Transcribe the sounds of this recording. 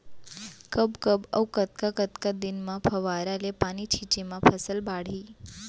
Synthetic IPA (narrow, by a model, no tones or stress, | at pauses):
kəbkəbə̰wkət̪kakət̪kad̪ɪnmãpʰəʋaɾalepanit͡ʃʰit͡ʃemãpʰəsəlbʱaɽ̤iː